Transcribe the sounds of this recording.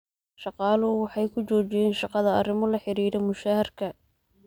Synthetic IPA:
ʃɑqɑːlʊwɑħɑjkʰʊt͡ʃɔːt͡ʃɪjɛːnʃɑqɑðɐɐrɪmɔlɐħɪɾiːɾɛmʊʃaːhɐrkʰɐ

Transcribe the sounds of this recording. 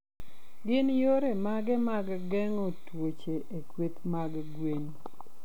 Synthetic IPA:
ɡɪnjoɾemaɡɛmaɡ | ɡɛŋotwot͡ʃeʔekwet̪maɡ | ɡwen

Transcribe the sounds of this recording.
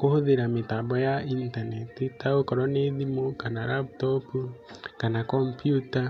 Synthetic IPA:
kohoðeɾametabɔjaintanetitaokɔɾɔneðimokanaɾaptɔpukanakɔmpjuta

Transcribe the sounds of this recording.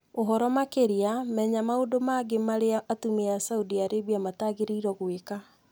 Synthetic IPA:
oɦɔɾɔmakeɾiamɛɲamaodomaɡemaɾeaatumeasaudiaɾebiamataɣeɾeiɾɔɣweka

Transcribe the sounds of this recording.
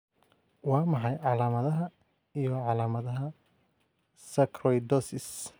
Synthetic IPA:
wɑːmɑħɑjʕɑlaːmɐðɐɦɐ | ijɔʕɑlaːmɐðɐɦɐ | sɐkʰrɔjd̪ɔsɪs

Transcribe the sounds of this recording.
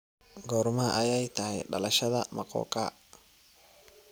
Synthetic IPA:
ɡɔːɾmɐʔɐjɛjt̪ʰɐhɛ̰jɖɐ̰lɐʃɐðɐ̰mɐqɔ̰ːkʰa̰

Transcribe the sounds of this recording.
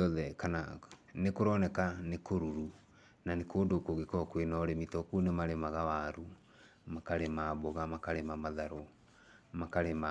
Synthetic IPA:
ɔðɛkananekoɾɔnɛkanekoɾuɾu | nanekoːndokoɣekɔkwenɔɾemitɔkunemaɾemaɣawaɾu | makaɾemaboɣamakaɾemamaðaɾo | makaɾema

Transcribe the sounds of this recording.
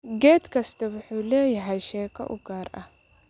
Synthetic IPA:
ɡɛːd̪kʰɐst̪ʰɐwʊħuːlɛːjɐɦɛjʃɛːkʰɐ̰ʔʊ̰ɡaːrɐh

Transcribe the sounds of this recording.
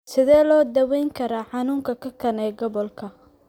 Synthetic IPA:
sɪðɛːlɔːd̪ɐwɛjŋkʰɐɾaːħɑnuːŋkʰɐkʰɐkʰɐnɛːɡɔβɔlkʰɐ

